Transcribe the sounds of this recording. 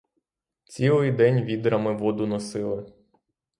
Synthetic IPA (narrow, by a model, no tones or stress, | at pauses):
t͡sʲilˠɪjd̪ɛnʲʋʲid̪ɾɐmɪʋɔd̪ʊnɔsɪlˠɪ